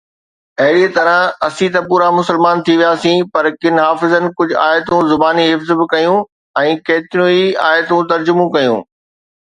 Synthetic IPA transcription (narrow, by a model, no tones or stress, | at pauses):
ɐɦɪɽiet̪ɐɾəɦɐsĩt̪ɐpuːɾamʊsəlmaːnt̪ʰiʋijaːsĩpɐɾkɪnɦaːfɪzənɪ̆kʊd͡ʑʱʊaːjət̪ũzʊbaːniɦɪfzbɪkɐjũ | ɛ̃ːkɐːt̪ɪɾũia̰ːjt̪ũt̪ɐɾd͡ʑʊmũkɐjṵ̃ː